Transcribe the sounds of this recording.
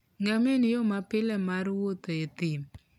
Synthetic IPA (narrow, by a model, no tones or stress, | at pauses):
ŋɡamenijomapɪlɛmaɾwot̪oet̪ɪm